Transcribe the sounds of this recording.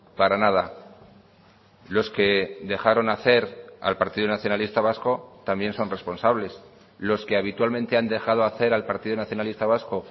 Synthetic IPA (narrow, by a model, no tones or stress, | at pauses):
paɾanað̞a | lo̞ske̞d̪e̞xaɾo̞naθe̞ɾa̰lpaɾt̪iðunaθjo̞nalist̪aβasko̞t̪ambje̞nso̞nre̞spo̞nsaβle̞s | lo̞ske̞aβ̞it̪walmẽ̞nt̪e̞and̪e̞xað̞o̞aθe̞ɾalpaɾt̪iðonaθjo̞nalist̪aβ̞asko̞